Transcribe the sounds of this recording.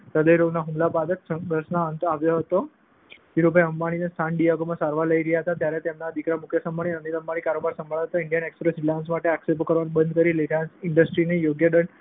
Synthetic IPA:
ɾəd̪əjɾoɡnaɦumlapad̪əksəpɾəsnaənt̪aʋjoɦət̪o | iɾopeəmbaɽ̃inest̪ʰanɖijaɡomãsaɾʋaləiɾəjaɦət̪at̪jaɾet̪emnad̪ikɾamukʰjəsəmbaɽ̃iənid̪əmbaɽ̃ikaɾobaɾsə̃mbʱaɭaɦət̪aɪɳɖijənekspɾesɾilansmaʈeaksepokəɾʋanbənd̪̚ʱkəɾiliɾansɪɳɖəsʈɾinejoɡjəɖ̪əɳ

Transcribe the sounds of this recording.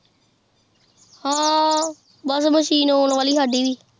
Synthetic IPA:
hãː | bəsməʃiːnoːɳʋaːliːɦaːɖiːʋiː

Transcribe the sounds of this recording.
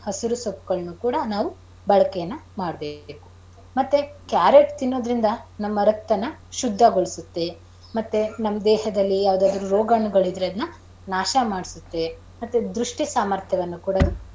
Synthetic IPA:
hɐsiɾusopːuɡɐɭnukuːɽɐnaːʋu | bɐɭɐkɛjɐnːɐmaːɽɐbeːku̥ | mɐt̪ːekjaːɾeʈt̪inːo̞ːd̪ɾind̪ɐnɐmːɐɾɐk̚t̪ɐnːɐʃud̪ʱːɐɡoɭisut̪ːe | mɐt̪ːenɐmːɐd̪ɛːɦɐd̪ɐlːijaːʋud̪aːd̪ɐɾuɾoːɡaːɳuɡɐɭid̪ɾeɐd̪nɐ | naːʃɐmaːɽisut̪ːe | mɐt̪ːed̪ɾuʂʈisaːmɐɾt̪ʰjɐʋɐnːukuːɽɐd̪u

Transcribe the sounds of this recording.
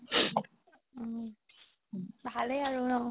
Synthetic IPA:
bʱaləjaɹunɔ

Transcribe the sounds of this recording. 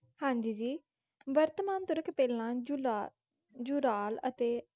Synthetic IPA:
hãːɲd͡ʒiːd͡ʒiː | bəɾt̪maːnt̪ʊɾəkpɛːlãː | d͡ʒʊɾaːlə̰t̪eː

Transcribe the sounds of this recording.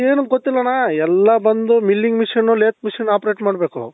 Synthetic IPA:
eːnuɡot̪ːilːɐnaːɛlːɐbɐnd̪umilːiŋɡmiʂɐnːuleːt̪̚miʂɐnːaːpɾe̞ːʈmaːɽbe̞ːkṵ

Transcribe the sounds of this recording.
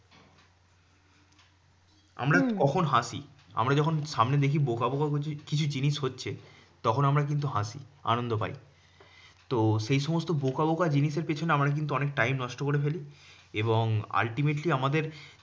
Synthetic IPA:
a̰mɾakɔkʰonɦaʃḭ | a̰mɾad͡ʑɔkʰonʃamned̪ekʰibokabokakkit͡ɕʰud͡ʑiniʃɦotːɕʰe | t̪ɔkʰonamɾak̬int̪̬uɦaʃḭa̰nond̪opa̰j | t̪oʃejʃɔmost̪obokabokad͡ʑiniʃeɾpet͡ɕʰoneamɾak̬int̪uɔnek̚ʈajmnɔʃʈokoɾefeli | eboŋa̰lʈimeʈliamad̪eɾ

